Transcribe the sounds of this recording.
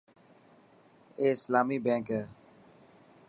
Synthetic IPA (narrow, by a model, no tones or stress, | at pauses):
eːɪslaːmiːbɛ̃ːŋkɛː